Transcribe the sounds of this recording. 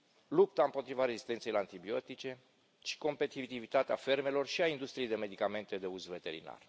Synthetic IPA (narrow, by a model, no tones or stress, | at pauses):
lup̚t̪aɨmpo̞t̪ɾivaɾe̞zist̪e̞nt̪sejlant̪ibio̞t̪it͡ʃe̞ | ʃi̥ko̞mpe̞t̪it̪ivit̪at̪eafe̞rme̞lo̞rʃiaind̪ust̪ɾiejd̪e̞me̞d̪ikame̞nt̪e̞d̪e̞uzve̞t̪e̞ɾḭna̰r